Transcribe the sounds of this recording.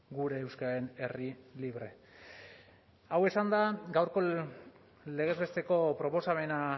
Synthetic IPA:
ɡuɾe̞ːwskaaɾe̞ne̞riliβɾe̞̰ | awe̞sand̪aɡawɾko̞ | le̞ɣe̞zβe̞st̪e̞ko̞pɾo̞po̞same̞na

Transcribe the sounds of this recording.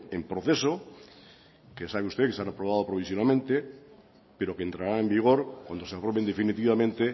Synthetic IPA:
empɾoθeso | kesaβeust̪ekesanapɾoβ̞að̞opɾoβ̞isjonalmẽnt̪e | peɾokent̪ɾaɾaembiɣ̞oɾkwand̪oeapɾoβend̪efinit̪̬iβamẽnt̪e

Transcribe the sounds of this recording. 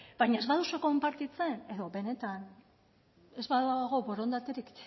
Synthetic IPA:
bajɲae̞zβaðusueko̞mpaɾt̪it͡se̞ne̞ðo̞be̞ne̞t̪an | e̞zβaðaɣ̞o̞βo̞ɾo̞nd̪at̪eɾik

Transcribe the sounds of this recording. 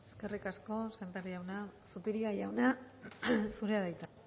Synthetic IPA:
eske̞rikasko̞sent̪eɾiawnasupiɾiajawna | suɾeaðajt͡s̪a

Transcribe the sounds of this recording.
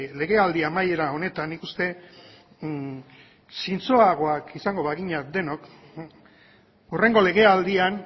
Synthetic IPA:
le̞ɣ̞e̞ald̪iamaje̞ɾao̞ne̞t̪anːikust̪e̞ | sint͡soaɣ̞o̞akisaŋɡo̞βaɣ̞iɲad̪e̞no̞k | ure̞ŋɡo̞le̞ɣ̞e̞ald̪ian

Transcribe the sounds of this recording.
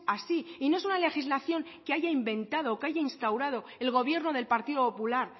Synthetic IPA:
asiino̞esunale̞xizlaθjo̞ŋkeaʝaimbẽ̞nt̪að̞oːkeaʝainst̪awɾað̞o̞ | e̞lɣ̞o̞βje̞ɾno̞ðe̞lpaɾt̪iðo̞po̞pulaɾ

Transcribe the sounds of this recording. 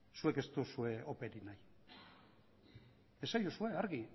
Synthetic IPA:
sue̞ke̞st̪usue̞o̞pe̞ɾinaj | e̞sajosue̞aɾɣi

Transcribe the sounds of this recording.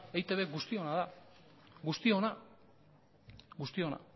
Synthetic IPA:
ejt̪eβeɡust̪io̞nað̞a | ɡust̪io̞na | ɡust̪io̞na̰

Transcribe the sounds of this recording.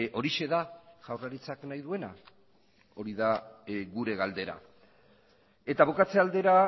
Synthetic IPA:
o̞ɾiʃe̞ðaʝawraɾit͡saknajðue̞na | o̞ɾiðaɣuɾe̞ɣald̪e̞ɾa̰ | e̞t̪aβokat͡se̞ald̪e̞ɾa

